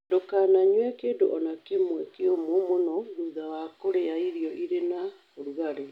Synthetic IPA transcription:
dokanaɲwɛkeːndoʔɔnakemwɛkeomomonɔβuðawakoɾeaiɾijɔʔiɾena | oɾuɣaɾe

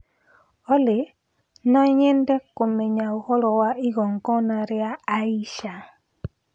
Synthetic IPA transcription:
ɔlɪ | nɔɲɛndɛkomeɲauhɔlɔwaiɣɔŋɡɔnaɾjaːiʃa

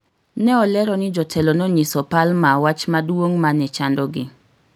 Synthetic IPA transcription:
nɛɔlɛɾɔnɪd͡ʒɔtʰɛlɔnɔɲisɔpalmawat͡ʃmadwoŋmanɛt͡ʃandɔɡɪ

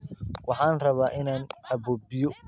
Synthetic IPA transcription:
wɑħɑːnrɐβaːʔɪnaːnɐbɔbɪjɔ

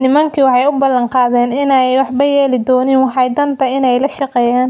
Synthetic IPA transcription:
nɪmɐŋkʰiwɑħɑjʊbɐlːɐɴqɑːðɛːnɪnɛjwɑħbɐjɛːlɪd̪ɔːnɪnwɑħɑjd̪ɐnt̪ʰɐɪnɛjlɐʃɑqɛːjaːn

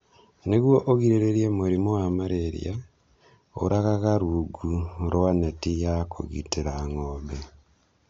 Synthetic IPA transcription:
neɣwoʔoɣiɾeɾeɾjemuɾimowamaɾeɾḭja | o̰ɾaɣaɣaɾuɡuɾwanetijakṵɣḭtiɾaŋobe

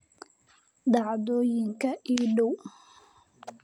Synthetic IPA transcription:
d̪ɑʕd̪ɔːjɪŋkʰɐiːɖɔw

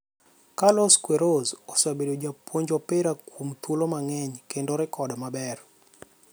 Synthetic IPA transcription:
kalɔskweɾozosabedod͡ʒapwoɲd͡ʒɔpɪɾakʰumt̪ulomaŋɛɲkendoɾɪkɔdɔmabɛr

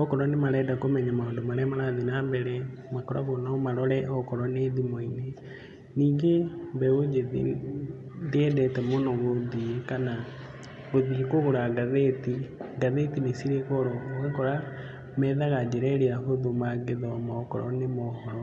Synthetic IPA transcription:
ɔkɔɾɔnemaɾɛːdakomɛɲamaondomaɾɛmaɾaðinaːmbɛɾɛ | makɔɾa̰ɣonamaɾɔɾɛʔɔkɔɾɔneːðimoine | niːŋɡembɛod͡ʒeðḭ | deɛdɛtɛmonɔɣoðiekana | ɣoðikoɣoɾaɡaðetiɡaðetinesiɾekɔɾɔɣekɔɾa | mɛːðaɣad͡ʑeɾɛɾeɾaɦoðomaɡeðɔmɔkɔ̰ɾɔ̰nemɔhɔɾɔ

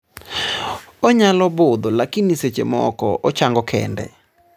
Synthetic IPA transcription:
ɔɲalɔbʊd̪ɔlakiniset͡ʃḛmɔ̰kɔʔɔt͡ʃaŋɡɔkʰɛ̰ndɛ̰

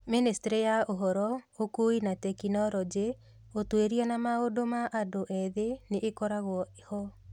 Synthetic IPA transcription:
ministeɾejaoɦɔɾɔokuinatɛkinɔɾɔd͡ʒe | otweɾianamaodomaʔadoʔɛðeneʔːkɔɾaɣwɔehɔ

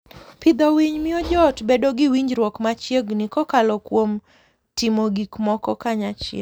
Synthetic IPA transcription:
pɪd̪ɔwiɲmɪɔd͡ʒɔtbedoɡɪwiɲd͡ʒɾwɔkmat͡ʃjeɡnɪkɔkalɔkwom | tɪmoɡikmɔkɔkaɲat͡ʃḛ

